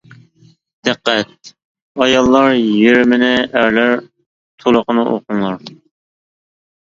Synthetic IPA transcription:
d̪̥æqːɛt̪̚ | ɑjɑlˠːɑɾjeɾɪmɪnɪæɾlæɾ | t̪ʰolˠʊqənɨʔo̰qʊŋlˠɑɾ

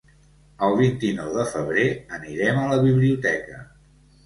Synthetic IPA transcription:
əlˠβ̞int̪inɔwðəfəβ̞ɾeəniɾɛmələβiβliut̪ɛkə

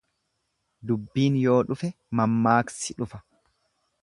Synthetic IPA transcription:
d̪ʊbːiːnjo̞ːᶑʊfɛ | mɐmːaːksɪᶑʊfɐ̥

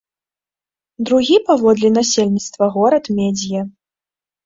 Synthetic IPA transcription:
d̪ɾuɣʲipavɔd̪lʲin̪asʲelʲnʲit̪st̪vɐɣɔɾɐt̪mʲɛd͡zʲijɐ

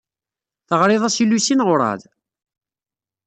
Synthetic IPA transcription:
θəʁɾɪðˤæsilusinʁʊɾˤɑ̰ð

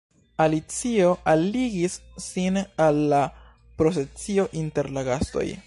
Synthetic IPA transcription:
alit͡sio̞ʔaliɡisːinalːa | pɾo̞se̞t͡sio̞ʔinte̞ɾlaɡasto̞̰j

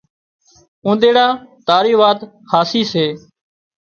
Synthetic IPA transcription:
ũːd̪eːɽaːt̪aːɾiːʋaːt̪ | haːsiːseː

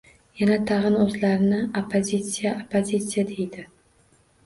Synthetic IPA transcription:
janat̪ʰɑʁɨnɵzlaɾɪnɪopʰːozʲit̪sijaʔopʰːozʲit̪sijad̪e̞jd̪ɪ

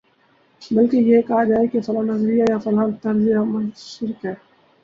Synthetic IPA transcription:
bɐlkejekɐɦad͡ʒaːekisɐlaːnɐzɾijajafɐlaːlt̪ɐɾd͡ʒijamɐʃɪɾkɦɛː

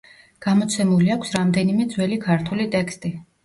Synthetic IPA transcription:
ɡ̥amɔt̪sʰɛmuliakʷʰsɾamd̪ɛnimɛd̪zwɛlikʰaɾt̪ʰulit̪ʼɛkst̪ʼi

